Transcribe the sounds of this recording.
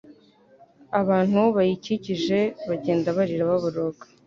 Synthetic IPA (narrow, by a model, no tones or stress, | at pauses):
aβaːnhuβajiciciʒe̞βaɟe̞ːndaβaɾiɾaβaβuɾoɡḁ